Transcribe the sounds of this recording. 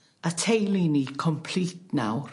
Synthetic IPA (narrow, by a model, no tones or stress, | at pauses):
atʰejlˠinikʰɔmpʰl̥itna̰wr